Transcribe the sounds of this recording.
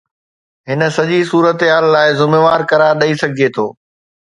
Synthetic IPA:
ɦɪnə̆sɐʄisuːɾət̪ɦaːlːaːɪzʊmeːʋaːɾkɐɾaːɾɗɐisɐɡʱiet̪ʰoː

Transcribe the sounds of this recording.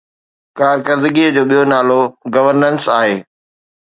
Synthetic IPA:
kaːɾkəɾd̪əɡiəd͡ʑoːɓijonaːloɡɐʋəɾnənsaːɦeː

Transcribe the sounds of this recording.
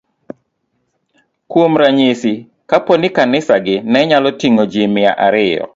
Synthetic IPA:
kwomɾaɲesi | kaponɪkanɪsaɡɪnɛɲalɔtiŋod͡ʒemɪa̰ʔaɾɪjɔ̰

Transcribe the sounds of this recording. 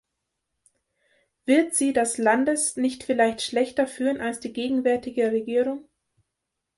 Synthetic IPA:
v̥ɪɐtz̥iːdɛslandəsnɪçtfɪlaɪçtʃlɛçtɐfyːʁənalsd̥iːɡeːɡŋ̩vɛɐtɪɡəʁeɡiːʁʊŋ

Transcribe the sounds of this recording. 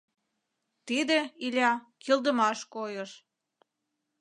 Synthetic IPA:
t̪id̪ĕilʲɑkild̪ə̆mɑʃkojəʃ

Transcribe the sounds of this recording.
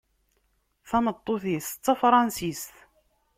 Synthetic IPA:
θæmət̪ˤːoθist͡sːafɾˤɑnsist̪

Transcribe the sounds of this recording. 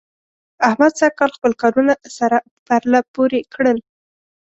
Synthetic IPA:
ahmad̪sakːɑlxpəlkɑɾunasaɾa | paɾlapoɾekɽəl

